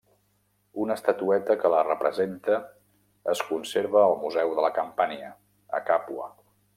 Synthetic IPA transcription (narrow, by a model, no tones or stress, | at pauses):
unəst̪ət̪uɛt̪əkələrəpɾəzent̪əː | skunseɾβəːlˠmuzɛwðələkəmpaɲə | ə̰kapuə̰